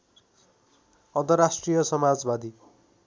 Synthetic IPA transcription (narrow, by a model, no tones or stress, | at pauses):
ʌnt̪ʌrɾasʈrijʌsʌmad͡zbad̪ʱi